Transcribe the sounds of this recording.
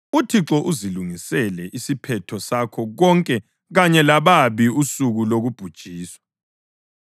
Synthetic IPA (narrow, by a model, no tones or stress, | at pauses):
utʰiǁɔʔuziluŋisɛlɛʔisipʰɛtʰɔsakʰɔɣɔŋkʼɛ | ɣaɲɛlaβaβiusuɣuloɣub̥ʱud̥ʒ̥ʱiːswḁ